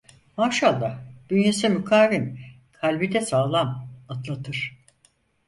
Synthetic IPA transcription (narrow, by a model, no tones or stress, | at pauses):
maːʃalˠːad̪̥ynjesimykʰaːvim | kʰalʲbid̪ɛsaːlˠamat̪lˠat̪ʰɯɾ̥